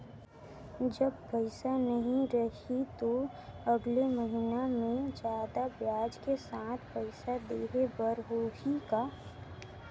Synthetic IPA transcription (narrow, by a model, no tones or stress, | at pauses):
d͡ʒəbpəɪsanɐɦĩɾɐɦit̪o | ɐɡleməɦinamẽd͡ʒjaːd̪abjaːd͡ʒkesaːt̪ʰpəɪsad̪eːɾebəɾɦoːɦikaː